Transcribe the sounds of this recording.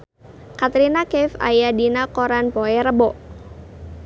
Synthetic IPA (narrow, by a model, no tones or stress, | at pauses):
kat̪ɾinakɛfa̰jadinakoɾanpɔɛɾəbɔʔ